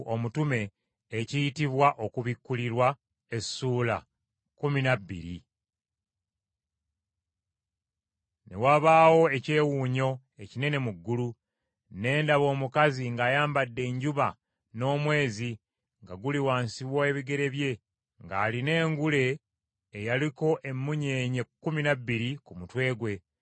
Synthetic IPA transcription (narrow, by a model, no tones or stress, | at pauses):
omutume̞ː | cijitiβwaʔo̞kuβikːuliɾwa | e̞suːla̰ | kuminabːḭɾḭ | ne̞̰waβaːwo̞e̞ce̞ːwuːɲo̞ | e̞cine̞ne̞muɡːulu | ne̞ːndaβo̞ːmukaziŋɡaːjaːmbadːe̞ːɲɟuβa | no̞ːmwe̞ːzi | ŋɡaɡuliwaːnsiβwoe̞βiɡe̞ɾe̞βje̞ | ŋɡaːline̞ːŋɡule̞ː | jaliko̞ʔe̞mːuɲeːɲekːuminabːiɾikumutwe̞ːɡwe̞